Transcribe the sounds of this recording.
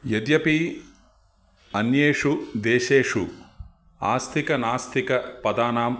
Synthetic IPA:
jed̪jɐpi | ɐnjeːʂud̪eːʃeːʂu | a̰ːst̪ʰikɐnaːst̪ʰikɐpɐd̪aːnaːm

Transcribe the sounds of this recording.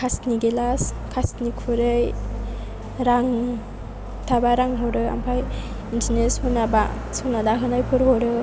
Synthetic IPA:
kʰasniɡelaskʰasnikʰuɾɯj | ɾaŋ | tʰabaɾaŋɦɔɾɯa̰mpʰaj | intʰineshunaba̰ | sɯnadaɦɯnajpʰɯɾɦɔɾɯ

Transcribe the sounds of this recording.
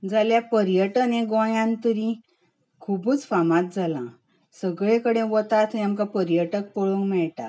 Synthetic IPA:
d͡zaljapəɾjəʈəneɡɔ̃jãnt̪əɾĩ | kʰubuːt͡sfamãt̪̚d͡zalã | səɡɭẽkəɽẽʋɔt̪at̪ʰamkapəɾjəʈək̚pɔɭũŋɡmɛɭʈa̰

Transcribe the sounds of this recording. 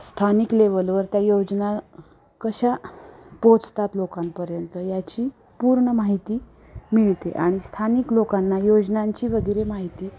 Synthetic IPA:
st̪ʰanikleʋəlʋəɾt̪jajod͡ʑna | kəɕapõt͡st̪at̪lokampəɾjənt̪əjat͡ɕiː | puɾɳəmaɦit̪iː | miɭt̪eʔaɽ̃ist̪ʰaniklokanːajod͡ʑnaɲt͡ɕiːʋəɡəɾemaɦit̪iː

